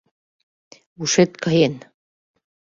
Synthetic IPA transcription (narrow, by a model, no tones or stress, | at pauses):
uʃet̪kɑjen